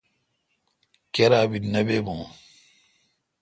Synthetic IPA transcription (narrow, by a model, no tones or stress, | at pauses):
keɾaːbinɐbebõː